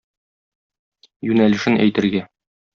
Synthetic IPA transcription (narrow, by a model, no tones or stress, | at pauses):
jʉnælɘ̆ʃɘnæ̰jt̪ɘ̆ɾɡæ